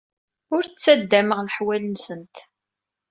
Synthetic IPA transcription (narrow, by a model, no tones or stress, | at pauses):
ʊɾt͡sːæd̪ːæməʁləħwælənsənt̪